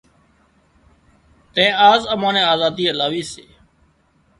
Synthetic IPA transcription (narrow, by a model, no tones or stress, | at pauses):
t̪əẽːaːzəmãːnẽːaːzaːd̪iːəlaːʋiːsḛː